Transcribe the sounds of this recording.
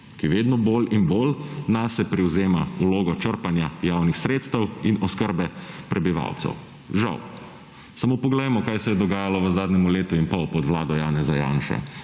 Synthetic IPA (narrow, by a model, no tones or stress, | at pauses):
kiʋeːd̪nɔboːlinboːlnasɛpɾiwzeːmauloːɡɔt͡ʃəɾpanjajaːwnixsɾeːt̪st̪ɛwinɔskəɾbɛpɾʔɛbiʋa̰wt̪sɛ̰w | ʒa̰w | samopɔɡlɛjmɔkajsɛjɛd̪ɔɡaːjalɔʋəzaːd̪nɛmuleːt̪uinpɔwpɔd̪ʋlaːd̪ɔjaːnɛzaja̰ːnʃɛ̰